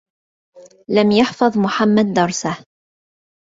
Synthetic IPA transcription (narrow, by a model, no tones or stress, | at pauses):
lamjɑħfɑðˤmʊħamːad̪̚ːɑɾˤsah